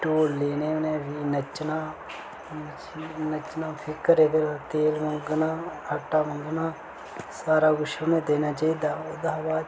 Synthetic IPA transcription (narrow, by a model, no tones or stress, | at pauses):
ʈoːleːneːnẽːbiːnət͡ʃːnaː | nət͡ʃːnaːpʰɪkːəɾeːd̪eɾt̪eːlməŋɡnaːhəʈːaːmʊŋɡnaː | saːɾaːɡʊʃuːnẽːd̪eːnaːt͡ʃaːiːd̪aːoːd̪aɦbaː